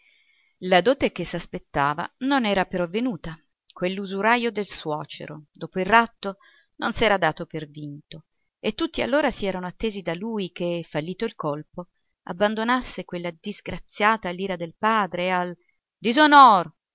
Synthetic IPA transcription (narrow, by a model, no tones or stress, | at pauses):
lad̪oːt̪ekesːaspet̪ːaːva̰nonɛːɾapeɾɔavːenuːt̪a | kwelːuzuɾajod̪elswɔːt͡ʃḛɾo̰d̪oːpoilrrat̪ːo | nonsɛːɾad̪aːt̪opervint̪o | et̪ːut̪ːia̰lːoːɾasiɛːɾanoat̪ːeːzid̪alujk̟efːalːiːt̪oilkolpo | a̰bːand̪onasːekwelːad̪izɡɾat̪sːjaːt̪alːiːɾad̪elpaːd̪ɾeal | d̪izonɔːɾo